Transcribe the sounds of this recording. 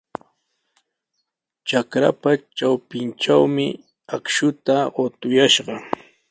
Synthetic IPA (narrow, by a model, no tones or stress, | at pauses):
t͡ʃakɾa̰pat͡ʃawpɪnʈ͡ʂawmɪ | akʃʊt̪aɢot̪ʊjaʃɢɑ